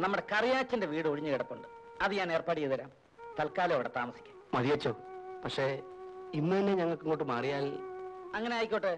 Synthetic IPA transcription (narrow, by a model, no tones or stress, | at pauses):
nɐmːuɽe̞kɐrijaːt͡ɕːɐnde̞ʋiːɽɨoɻiɲːɨkeɽɐkːuɳɖɨ | ɐðɨɲaːne̞ːrpaːɽijɐðɐɾa̰ːm | t̪ɐlkaːlɐɐʋiɽet̪aːmɐsi̥kʲːu̥ | mɐðijɐt͡ɕːoːpɐkʂe̞inːɐðinːɨɲɐŋːɐɭkɨŋːoːʈːɨmaːrijaːlɐŋːɐneaːjikʲːoːʈːɨ